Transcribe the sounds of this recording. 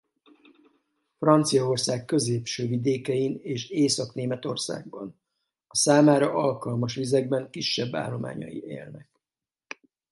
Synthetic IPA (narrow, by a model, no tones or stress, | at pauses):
frɒnt̪sijɒo̞rsaːkːø̞zeːpʃøːvid̪eːkɛjineːʃeːsɒkneːmɛt̪o̞rsa̰ːɡ̚bɒn | ɒsaːmaːɾɒʔɒlkɒlmɒʃʋizɛɡ̚bɛŋkiʃːɛbːa̰ːlːo̞ma̰ːɲɒ̰jḭḛːlnɛk